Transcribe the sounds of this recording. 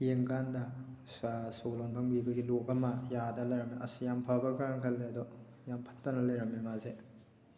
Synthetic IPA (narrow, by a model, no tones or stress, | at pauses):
jeŋkandɐsasolonbʰʱɐŋbibɐɡilokɐmɐjadɐlɐjɾɐmeɐsjampʰabɐkɾaŋkʰɐldeɐdɔ | jampʰɐ̥ttɐnɐlɐjɾɐmemaze